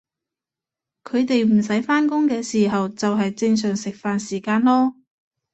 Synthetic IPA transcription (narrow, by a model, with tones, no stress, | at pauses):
kʰɵ˨˧ɥt̪e˨jm̩˨˩s̬ɐ˨˥jfaː˥nkʊ˥ŋkɛː˧siː˨˩ɦɐ˨wt͡sɐ˨wɦɐ˨jt͡sɪ˧ŋs̬œː˨˩ŋsɪ˨k̚faː˨nsiː˨˩kaː˧nlɔː˥